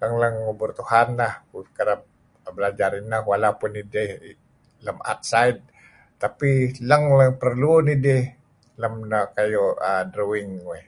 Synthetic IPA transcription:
laŋlaŋːobʊrt̪ʊhanːakkaɾap̚ | ablad͡ʒaɾɪnːawalapʊnid̪e | lamʔa̰t̪̚sajd̪̚ | t̪apilaŋlaŋpaɾlunid̪ɛ | lamnakajoad̪ɾuwɪŋwe

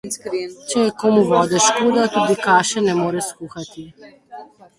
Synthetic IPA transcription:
t͡ʃɛjɛkoːmuʋɔːd̪ɛʃkoːd̪at̪ud̪ikaːʃɛnɛmoːɾɛskuːxat̪i

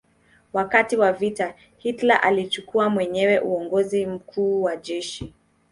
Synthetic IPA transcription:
wakatiwavita | hitlaʔalit͡ʃukuamwɛɲɛwɛʔuɔŋɡɔzim̩kʰuːwaʄɛʃi

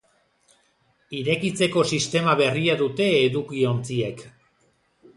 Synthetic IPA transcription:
iɾe̞kit͡se̞ko̞sist̪e̞maβe̞riaðut̪e̞ːðukio̞nt͡siek

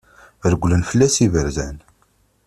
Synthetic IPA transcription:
ɾəɡʷlənfəlːæsivəɾzæn

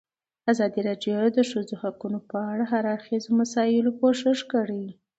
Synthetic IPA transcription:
azɑd̪iɾɑɖjod̪əʂəd͡zohakunopəaɽaɦaɾɑɾxizomasɑjɪlokoʃɪʂkəɽi

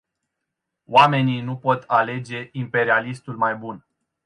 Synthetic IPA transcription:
wame̞ninupo̞t̪ale̞d͡ʒe̞ʔimpe̞ɾialist̪ulmajbun

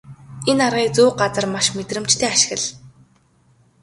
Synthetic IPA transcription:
enarʁiːt͡suːɢat͡sə̆rmaʃmet̪rɘ̆mt͡ɕt̪ʰeːaʃɪ̆ɣə̆ɮ

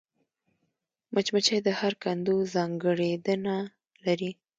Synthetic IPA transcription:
mat͡ʃmat͡ʃajd̪əhaɾkand̪uzɑŋɡəɽed̪əna | laɾi

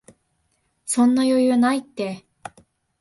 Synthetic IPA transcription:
sõ̞nːajo̞jɯ̟nait̪ːe̞

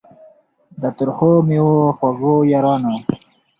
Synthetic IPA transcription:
d̪ət̪ʊɾχomiwoxwaɡojaɾɑːna

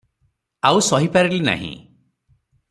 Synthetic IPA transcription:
awsɔɦipaɾilina̰ɦḭ̃

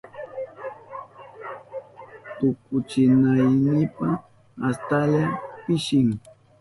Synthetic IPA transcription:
t̪ʊkʊt͡ʃɪnajnɪpa | ast̪aʎapɪʃɪŋ

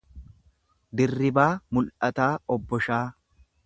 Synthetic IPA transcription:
d̪ɪrːɪbaːmʊlʔɐt̪aːɔbːɔʃaː

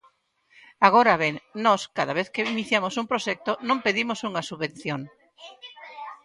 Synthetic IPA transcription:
aɣ̞oɾaβeŋnɔskaðaβeθkeiniθjamosumpɾoʃɛk̚t̪onõmpeðimosuŋɐsuβẽnθjoŋ

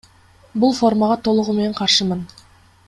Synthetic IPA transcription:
bulˠfo̞rmɑʁɑt̪ʰo̞lˠʊʁume̞neɴqʰɑɾʃɯmɯn

